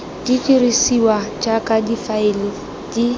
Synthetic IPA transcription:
d̥itirisiwat͡ʃʼakʼadifaɪlɪ | d̥i

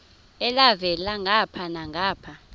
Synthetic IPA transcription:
ɛlavɛlaŋʱapʰanaŋʱaːpʰa

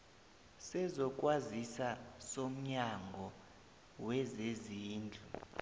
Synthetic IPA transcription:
sɛzɔkʼwazisasom̩ɲaŋɡʱɔ | wɛzeziːnd͡ɮʱu

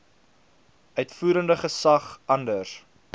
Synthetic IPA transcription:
ʔœɥtfuːɾəndəχəsɐχɐndər

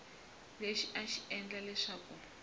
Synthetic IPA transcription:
leʃiʔaʃiɛnd͡ɮalɛʂaːku

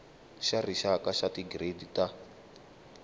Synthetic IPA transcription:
ʃariʃakaʃatiɡredita

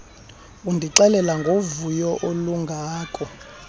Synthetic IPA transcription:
undʱiǁɛlɛlaŋɡʱovujɔʔoluŋɡʱaːkʼɔ

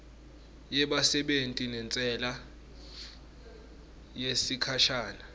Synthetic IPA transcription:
jɛɓasɛɓentʼinɛnt͡sʼɛla | jesikʰaʃaːna

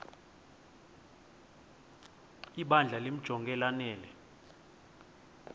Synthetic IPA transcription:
iɓand͡ɮʱalem̩d̥ʒ̥ʱɔŋɡʱɛlanɛːlɛ

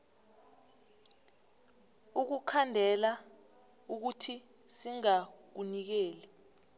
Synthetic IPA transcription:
uk̬ukʰandʱɛla | uk̬utʰi | siŋak̬unik̬eːli

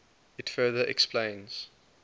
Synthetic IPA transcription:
ɪtfɜːðəʔɛ̰ksplẽɪ̃nz̥

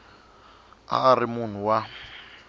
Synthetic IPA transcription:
a̰ːrɪmun̤uwa

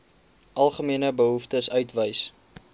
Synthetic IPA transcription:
ʔɐlˠχəmiənəbəɦuftəsœɥtvəjs

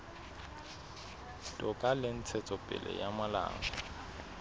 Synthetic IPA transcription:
tʼɔkʼalɪn̩t͡sʰɛt͡sʼɔpʼɪ̰lɛ̰jamala̰ːŋɔ

